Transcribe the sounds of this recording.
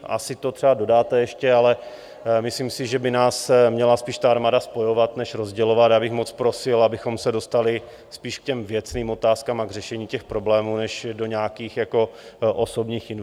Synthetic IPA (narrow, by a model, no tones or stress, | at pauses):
ʔa̰sɪt̪o̞t̪r̥ɛado̞daːt̪ɛjɛʃcɛalɛ | mɪsliːmsɪʒɛbɪnaːsmɲɛlaspiːʃt̪aaɾmaːdaspo̞jo̞vat̪nɛʃɾo̞zɟɛlo̞vat̪jabɪxmo̞t͡spɾo̞sɪlabɪxo̞msɛdo̞st̪alɪ | spiːʃkcɛmvjɛt͡sniːmo̞t̪aːskaːmaɡr̝ɛʃɛɲiːcɛxpɾo̞blɛːmuːnɛʃdo̞ɲaːkiːxjako̞ʔoso̞bɲiːxɪn